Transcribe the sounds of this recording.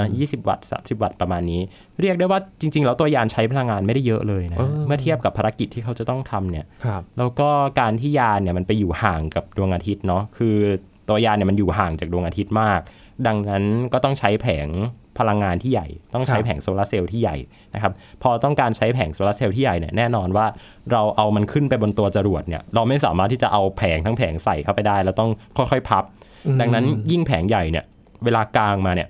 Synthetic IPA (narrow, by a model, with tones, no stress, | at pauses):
jiː˥˩si˨˩p̚wa̰˨˩t̪̚sa̰ː˩˦msi˨˩p̚wa˨˩t̪̚pɾa˧maː˧nːiː˦˥ | ɾi˥˩k̚du˥˩jwaː˥˩t͡ɕi˧ŋt͡ɕi˧ŋlɛː˦˥wt̪u˧ɐjaː˧nt͡ɕʰa˦˥jpʰa˧la˧ŋːaː˧nma˥˩jda˥˩jːɤ˦˥ʔlɤː˧ja˦ɤː˧mɯ˥˩ɐt̪ʰi˥˩əp̚ka˨˩pʰːaː˧ɾa˦˥kːi˨˩t̪ʰːiː˥˩kʰa˦˥wt͡ɕa˨˩t̪ɔ˥˩ŋt̪ʰa˧mni˥˩ɐlɛː˦˥wkɔː˥˩kaː˧nt̪ʰiː˥˩jaː˧ni˥˩ɐma˧npa˧juː˨˩haː˨˩ŋka˨˩p̚du˧əŋʔaː˧t̪ʰi˦˥t̪̚nɔ˦˥kʰɯː˧ | t̪u˧ɐjaː˧ni˥˩ma˧njuː˨˩ɦaː˨˩ŋt͡ɕaː˨˩u˧əŋʔa˧t̪ʰi˦˥t̪̚maː˥˩k̚ | da˧ŋna˦˥nkɔː˥˩t̪ɔ˥˩ŋt͡ɕʰa˦˥jpʰɛː˩˦ŋpʰa˧la˧ŋːaː˧nt̪ʰiː˥˩ja̰˨˩jt̪ɔ˥˩ŋt͡ɕʰa˦˥jpʰɛː˩˦ŋsoː˧laː˦˥se˧wt̪ʰiː˥˩ja̰˨˩j | na˦kʰa˦˥p̚pʰɔː˧t̪ɔ˥˩ŋkaː˧nt͡ɕʰa˦˥jpʰɛː˩˦ŋsoː˧laː˦˥seː˧wt̪ʰiː˥˩ja˨˩jnḭ˦˥˩ɐnɛː˥˩nɔː˧nwaː˥˩ | ɾa˧wʔa˧wma˧nkʰɯ˥˩npa˧jbo˧nt̪u˧ɐt͡ɕa˧ɾu˨˩ət̪̚ni˧˥˩ɐɾa˧wma˥˩jsaː˩˦maː˥˩t̪ʰːiː˥˩t͡ɕa˨˩ʔa˧wpʰɛː˩˦ŋt̪ʰa˦˥ŋpʰɛː˩˦ŋsa˨˩jkʰa˥˩wpa˧jdaː˥˩jlɛː˦˥wt̪ɔ˥˩ŋkʰɔ˥˩jxʰɔ˥˩jpʰa˦˥p̚ | da˧ŋna˦˥nji˥˩ŋpʰɛː˩˦ŋja˨˩jni˥˩ɐ | weː˧laː˧klaː˧ŋmaː˧ni˥˩ɐ